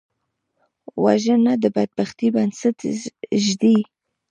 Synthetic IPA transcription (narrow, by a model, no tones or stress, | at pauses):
wa̰ʒənad̪əbad̪̚baxt̪ibansat̪ʒd̪i